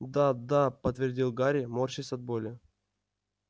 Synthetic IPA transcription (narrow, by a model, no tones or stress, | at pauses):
d̪ad̪apət̪vʲɪrdʲilˠɡaɾʲɪmorɕɪsɐd̪̚bolʲɪ